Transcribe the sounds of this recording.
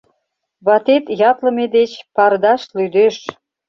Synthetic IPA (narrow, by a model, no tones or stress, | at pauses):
βɑt̪et̪jɑt̪lə̆med̪et͡ɕpɑrd̪ɑʃlyd̪eʃ